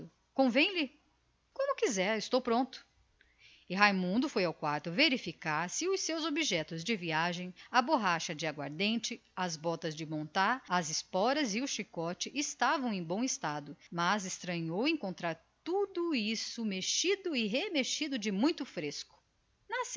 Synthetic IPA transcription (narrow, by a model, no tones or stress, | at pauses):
ʊ | kõvẽj̃lɪ | kõmʊkizɛɾɪst̪owpɾõnt̪ʊ̥ | ɪɦajmũnd̪ʊfojawkwaɾt̪ʊveɾifikaɾsɪʊsewzobiʒɛt̪ʊzd͡ʒɪviaʒẽj̃ɐboɦaʃɐd͡ʒɪaɡwa̰ɾd̪ẽnt͡ʃɪɐzbɔt̪ɐzd͡ʒɪmõnt̪aɾɐzɪspɔɾɐzɪʊʃikɔt͡ʃɪʔɪst̪avɐ̃w̃ẽj̃bõw̃ɪst̪ad̪ʊmɐzɪst̪ɾɐ̃ɲowẽkõnt̪ɾaɾ | t̪ud̪ʊisʊmeʃid̪ʊɪɦemeʃid̪ʊd͡ʒɪmũj̃t̪ʊfɾeskʊ̥ | nɐs